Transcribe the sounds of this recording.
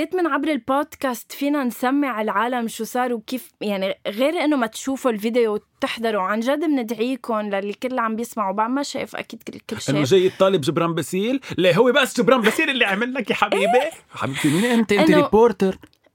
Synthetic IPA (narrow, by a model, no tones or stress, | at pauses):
zeːt̪mɪnʕabɾɪlpoːd̪̥kast̪fiːnansamːɪʕɪlʕaːlamʃuːsˤɑːɾˤwkiːfjaʕniɣeːɾʔɪnːomat̪ʃuːfolvid̪ejowt̪ːɪħd̪ɑɾˤuwʕanʒad̪ɪmnɪd̪ʕiːkʊnlalːikɪlːʕambjɪsmaʕubaʕmaʃḛːfʔa̰kiːd̪kɪlkɪːʃʔɪnːoʒeːjɪt̪ˤːɑːlɪbʒɪbɾˤaːnbasiːlleɦʊwːebasːʒɪbɾaːnbasiːlʔɪlːiʕamɪlːakiħabiːbeħabiːbt̪imiːnʔɪnt̪eʔʔnɪnnːɾopoːɾt̪eɾ